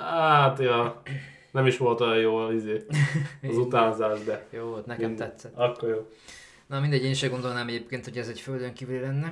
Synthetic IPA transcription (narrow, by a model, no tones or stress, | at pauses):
hat̪ɒ | nɛmiʃʋo̞lt̪ojɒjjoːnizeːɒzut̪aːzaːʒd̪ɛjoːvo̞lt̪nɛkɛt̪ɛt̪sɛt̪ɒkːoɾjoː | nɒmind̪ɛɟeːniʃɛɡond̪o̞lnaːmɛɟeːpkeːnt̪ho̞ɟɛzɛcføld̪øŋkiːvylilɛnːɛ